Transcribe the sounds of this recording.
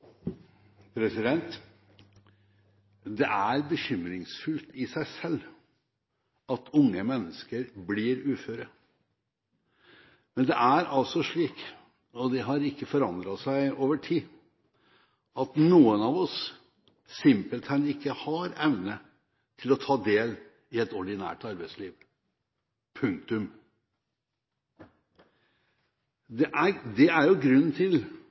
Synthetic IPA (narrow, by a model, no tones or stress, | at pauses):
pʰɾɛsɪd̪ɛnt̪ | d̪ɛʔæɾbəçʏmɾɪŋsfʉlt̪ɪsæɪsɛlː | ɑt̪ʰʊŋːəmɛnːəskəɾbliːɾʉːføːɾə | mɛnd̪ɛʔæɾɑlt̪sɔʂɭiːk | ɔd̪ɛɦɑɾɪkːəfɔɾɑnd̪ɾɑt̪sæɪoːʋəʈʰiː | ɑt̪nuːənɑʋɔsː | ɪmpəlt̪ʰæɪnɪkːəhɑɾɛʋnə | t̪ʰɪlɔt̪ʰɑːd̪eːl | ɪɛt̪ɔɖɪnæ̰ːʈɑɾbæɪsliːʋ | pʰʉŋk̚t̪ʉm | d̪ɛʔæd̪ɛæɾjʊɡɾʉnːn̩t̪ʰɪl